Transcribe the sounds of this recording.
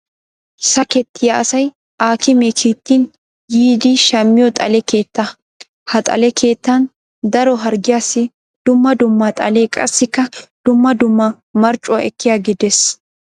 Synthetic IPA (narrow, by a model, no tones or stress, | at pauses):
sɐkɛt̪ʰːɪjaɐsɐj | aːkɪmekʰiːt̪ːiːn | jiːd̪ɪʃɐmːɪjɔt̪ʼɐlɛke̞ːt̪ːɐ | hɐt̪ʼɐ̰lɛkʰe̞ːt̪ːɐn | d̪ɐɾɔɦɐɾɡɪjaːsːɪ | d̪̥ʊmːɐd̪ʊmːat̪ʼɐ̰le̞ːkʼɐ̰sːɪkːɐd̪̥ʊmːɐd̪ʊmːɐ | mɐɾt͡ʃʼʊwaʔɛkːɪjaːɡɪd̪ɛs